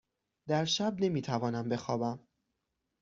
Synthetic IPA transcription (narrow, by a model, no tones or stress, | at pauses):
d̪æɾʃæb̚ne̞miːt̪ʰævɒːnæmbe̞xɒːbæm